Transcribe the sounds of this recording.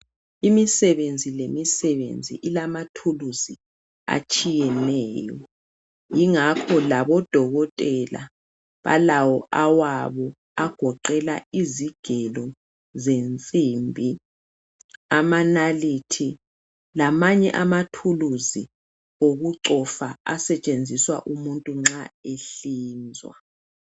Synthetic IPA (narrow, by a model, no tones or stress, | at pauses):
imisɛβend͡zʱilemisɛβḛnd͡zʱḭʔilamatʰuluzi | a̰t͡ʃʼijɛnɛːjɔ̰ | jiŋakʰɔlaβɔd̥ʱɔɣɔtʼɛla̰ | βa̰lawɔʔawaβɔ | aɡ̥ʱɔǃɛlaiziɡ̥ʱɛlɔ | zent͡sʼimbʱi | amanalitʰi | lamaɲɛ̰ʔamatʰuluzi | oɣuǁɔfaa̰sɛt͡ʃʼend͡zʱiswa̰ʔumuntʼuŋ͡ǁaeɬiːnd͡zʱwa̰